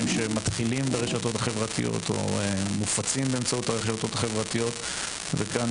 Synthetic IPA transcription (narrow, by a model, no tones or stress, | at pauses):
mʃemat̪χilimbeʁeʃat̪o̞t̪aχe̞vʁat̪ḭjo̞̰t̪ʰo̞̰emufat͡simbeːmt͡saut̪aʁeʃato̞t̪aχevʁat̪ijo̞t̪ | vekan